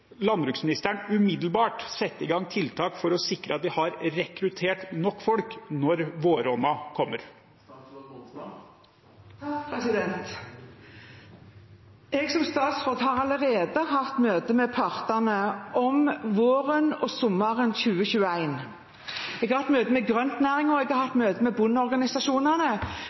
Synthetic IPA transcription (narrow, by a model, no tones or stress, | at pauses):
lɑnbɾʉːksmɪnɪst̪æɳʉmɪd̪l̩bɑːʈsɛt̪ːɪɡɑŋːt̪ʰɪlt̪ʰɑːkfɔɾɔsɪkɾəɑt̪d̪ɪhɑɾɾɛkɾʉt̪ʰeːʈnɔkːfɔlknɔɾʋoːɾɔnːɑkʰɔmːəɾ | sɪd̪ɛnt̪ | ɛɡsɔmst̪ɑːt̪sfɔt̪hɑʁɑləʁeːd̪əɦɑft̪møːt̪əmɛpʰɑʁt̪ənəʔɔmʋoːʁənɔsʊmːɑʁənçʉːəɕʉːəæɪn | ɛɡhɑɾhɑt̪møːt̪əmɛɡʁœnt̪næːʁɪŋɔɛɡɑhɑft̪møːt̪əmɛbʊnːɔʁɡɑnɪsɑʃuːnənə